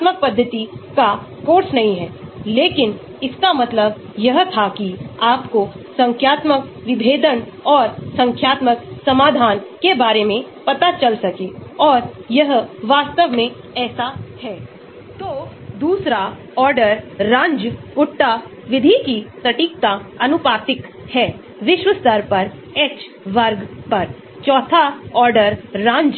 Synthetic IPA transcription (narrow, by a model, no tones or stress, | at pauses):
t̪mək̚pɐd̪ʱːət̪ika | koːɾsnɐɦĩɦɛːleːkɪn | ɪskamɐt̪ləb | jɐɦt̪ʰakiaːpkosɐ̃ŋkʰjaːt̪mək | ʋɪbʱeːd̪ənɔːɾsɐ̃ŋkʰjaːt̪məksɐmaːd̪ʱaːnkebaːɾemẽ | pɐt̪at͡ʃɐlsɐkeɔːɾjɐɦʋaːst̪əʋmẽ | ɛːsahɛː | t̪oː | d̪uːsɾa | ɔːɾɖəɾːãːnd͡ʒkʊʈːa | ʋɪd̪ʱikipɾɐʈiːk̚t̪aɐnʊpaːt̪ɪkhɛː | ʋɪʃwəst̪əɾpɐɾɛːkt͡ʃ | ʋɐɾɡpɐɾ | t͡ʃɔːt̪ʰaɔːɾɖəɾːãːɲd͡ʒ